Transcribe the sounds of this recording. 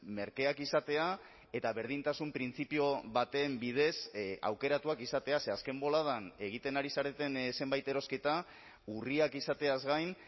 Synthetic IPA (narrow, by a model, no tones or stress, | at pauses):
me̞ɾke̞akisat̪e̞a | e̞t̪aβe̞ɾðint̪asumpɾint͡sipio̞βat̪e̞ːmbið̞e̞sa̰wke̞ɾat̪uakisat̪e̞ase̞aske̞mbo̞lað̞ane̞ɣ̞it̪e̞naɾisaɾe̞t̪e̞nse̞mbajt̪e̞ɾo̞ske̞t̪a | uriakisat̪e̞azɣajn